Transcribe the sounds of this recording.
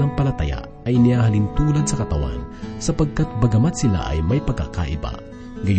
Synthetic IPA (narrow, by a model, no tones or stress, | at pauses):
nɐŋpɐlɐt̪a̰ja̰ | ɐjnɪhaːɦɐlint̪uːlɐd̪̚sɐkɐt̪ɐwa̰nsɐpɐɡ̚kat̪̚bɐɡɐmat̪sɪla̰ʔɐ̰jmɐjpɐɡ̚a̰ka̰ʔɪba̰ | ɡɐj